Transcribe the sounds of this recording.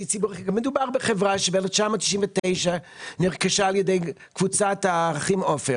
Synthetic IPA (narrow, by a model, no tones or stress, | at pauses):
it͡sibuʁaikamed̪ubaʁbeχevʁaʃebeelɛft͡ʃamot̪ʃi̥ʃimvet̪ejʃaniʁkaʃaːljed̪ejkvut͡sat̪aʁaχimofe